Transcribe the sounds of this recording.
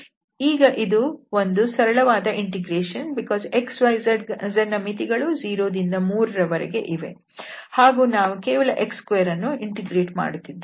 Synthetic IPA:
iːɡɐʔid̪uo̞nd̪usɐɾɐɭɐʋaːd̪ɐʔiɳʈiɡɾeːʃɐnbikɔːzeksʋɐjɐzɐnɐmit̪iɡɐɭud͡ʒiːɾoːd̪ind̪ɐmuːɾɐɾɐʋɐɾɛ̰ɡe̞̰ʔiʋe̞̰ | haːɡuːnaːʋukeːʋɐɭɐʔekskʋejɐɾɐnːuiɳʈiɡɾeːʈma̰ːɽut̪ːid̪ːe

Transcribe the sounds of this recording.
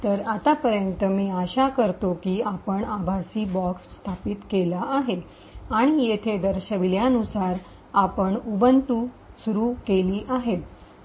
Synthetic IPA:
t̪əɾat̪apəɾjənt̪əmiːaɕakəɾt̪okiːapəɳabʱasiːbɔksːt̪ʰapiːt̪kelaʔːɦe | aɽ̃ijet̪ʰed̪əɾɕəʋiljanusaɾ | apəɳubənt̪u | suɾuːkeliːʔaɦe

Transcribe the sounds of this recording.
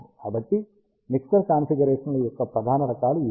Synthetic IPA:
aːbɐʈ̪ːi | miksɐɾkaːnfiɡɐɾeːʂɐnɐlujɔkːɐpɾɐd̪ʱaːnɐɾɐkaːlui

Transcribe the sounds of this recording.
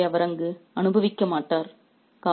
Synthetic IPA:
ɐʋɐɾɐŋɡɯɐnɯbɐʋɪkːɐmaːʈːaːɾ | kaː

